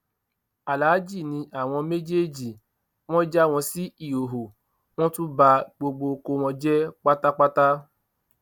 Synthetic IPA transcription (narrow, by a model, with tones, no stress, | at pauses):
a˨laː˨˦d͡ʒi˦˨nĩ˧ʔa˨w̃ɔ̃˧me˦d͡ʒe˦d͡ʒi˨ | w̃ɔ̃˦d͡ʒa˦˨w̃ɔ̃˧si˦i˦˨o˨ɦo˨ | w̃ɔ̃˦tũ˦ba˧ɡ͡bo˧ɡ͡bo˧ko˧w̃ɔ̃˧d͡ʒɛ˦k͡pa˦ta˦k͡pa˦ta˦